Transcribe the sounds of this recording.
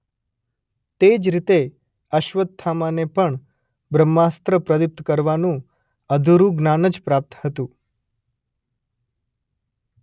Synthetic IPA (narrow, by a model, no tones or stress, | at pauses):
t̪ed͡ʒɾit̪e | əʃʋət̪̚t̪ʰːamanepəɳ | bɾəmːast̪ɾəpɾəd̪ip̚t̪kəɾʋanũ | əd̪ʱuɾũɡnanəd͡ʒpɾap̚t̪hət̪ũ